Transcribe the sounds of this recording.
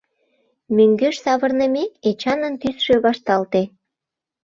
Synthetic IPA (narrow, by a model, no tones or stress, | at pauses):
myŋɡøʃsɑβə̆rnə̆meket͡ɕɑnənt̪ysʃøβɑʃt̪ɑlt̪e